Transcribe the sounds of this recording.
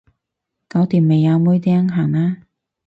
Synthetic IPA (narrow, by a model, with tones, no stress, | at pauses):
ka˨˧˥wt̪iː˨˩mːe˨˩jaː˨˧muː˧˥jt̪i˧˥ɐ˥ŋɦaː˨˩ŋaː˧